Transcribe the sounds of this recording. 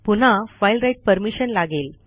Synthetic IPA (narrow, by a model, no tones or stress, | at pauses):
pun̤afajlɾajʈ̚pəɾmiɕənlaɡel